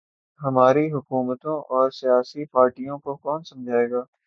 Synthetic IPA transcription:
ɦɐmaːɾiɦʊkuːmət̪õʔɔːɾsijaːsipaːɾʈijõkokɔːnsɐ̃md͡ʒʱaːeːɡaː

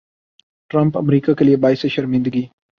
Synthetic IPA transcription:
ʈɾampa̰mɾikakalijebɑːjseʃaɾmɪnd̪aɡi

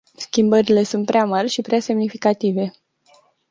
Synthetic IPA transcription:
skʲimbəɾile̞sunt̪pɾeamarʲʃipɾease̞mnifikat̪ive̞

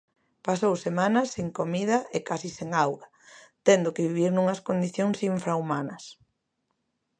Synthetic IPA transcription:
pasowsemãnɐseŋkomið̞ɐʔekasiseŋawɣɐ | t̪ɛnd̪okeβiβiɾnũŋɐskond̪iθjoŋsiɱfɾaumanɐs

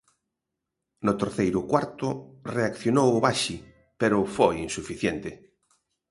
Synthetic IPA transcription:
nʊt̪eɾθejɾʊkwaɾt̪ʊreakθjonowʊβaʃi | peɾʊfojinsufiθjent̪ɪ

